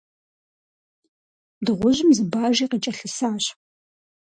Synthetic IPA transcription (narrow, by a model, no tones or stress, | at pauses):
dɨʁʷʊʑɪmzɨbaːʒiːqət͡ʃʼɐɬɨsaːɕ